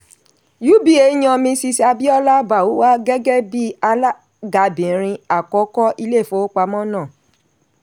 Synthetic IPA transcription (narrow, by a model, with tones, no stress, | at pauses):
ju˦bi˦e˧˦j̃ɔ̃˧mĩ˧si˧si˦a˧bi˦ɔ˦la˦ba˨wo˨˦wa˦ɡɛ˦ɡɛ˦bi˦a˧la˦ | ɡa˧bĩ˨˦ɾ̃ĩ˧a˨kɔ˨˦kɔ˦ʔi˧le˦˨fo˦o˦k͡pa˧mɔ̃˦nãː˦˨